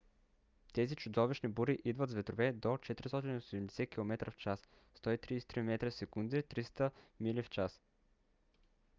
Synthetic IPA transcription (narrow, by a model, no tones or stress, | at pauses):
t̪ɛzit͡ʃʊd̪ɔviʃnibuɾiʔid̪vət̪zvɛt̪ɾovɛd̪ot͡ʃɛt̪ɾist̪ɔt̪inosɛmd̪ɛsɛkilˠomɛt̪ɾəft͡ʃas | st̪ɔit̪ɾist̪ɾimɛt̪ɾəfsɛkund̪ɛt̪ɾist̪əmilift͡ʃas